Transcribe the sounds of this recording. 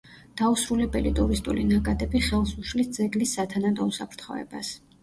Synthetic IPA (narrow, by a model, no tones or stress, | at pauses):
d̪̥ausɾulɛbɛlḭt̪ʼuɾist̪ʼṵlinakʼad̪ɛbiχɛlˠsuʃlisd̪zɛɡlisːat̪ʰanad̪ɔusapʰɾt̪ʰχɔ̰ɛ̰bas